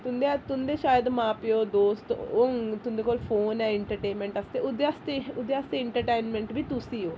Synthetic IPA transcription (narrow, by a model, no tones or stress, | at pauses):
t̪und̪et̪und̪eʃaːjəd̪maːpjoːd̪oːst̪oŋt̪und̪ekoːlfoːnɛ̃eɳʈəɾʈeːnmẽɳʈɐst̪eʔud̪jast̪eud̪jaːst̪eeɳʈəɾʈeːnmẽɳʈbʱit̪usioː